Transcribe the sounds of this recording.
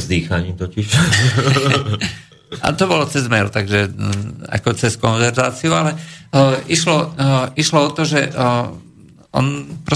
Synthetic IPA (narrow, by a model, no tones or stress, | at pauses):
zd̪iːxaɲiːmt̪ɔciʃ | a̰t̪ɔbɔlɔt͡sɛzmɛɾut̪aɡʒɛa̰kɔt͡sɛskɔnʋɛɾzaːt͡siualɛʔiʃlɔʔiʃlɔɔt̪ɔʒɛ | ɔ̰npɾɔ